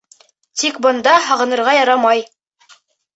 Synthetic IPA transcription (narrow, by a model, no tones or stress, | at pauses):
t̪ikbɤ̆nd̪ɑɦɑʁɤ̆nɤ̆ɾʁɑjɑɾɑmɑj